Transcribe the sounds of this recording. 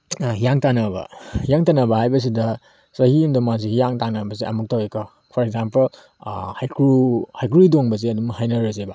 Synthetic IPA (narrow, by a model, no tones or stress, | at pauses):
hijaŋtanɐbɐ̰hijaŋtanɐbɐhajbɐs̬idɐ | sɐhiundɐmazihijaŋtanɐbɐziʔɐ̰muk̚taweka | pʰɔɾek̚zampɐl | hajkɾuhajkɾidoŋbɐziɐdumɐhajnɐɾɐzeba